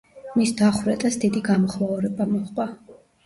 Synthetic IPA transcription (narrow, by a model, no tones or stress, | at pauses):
misd̪aχwɾɛt̪ʼasd̪id̪iɡamɔχmauɾɛbamɔχqʼwa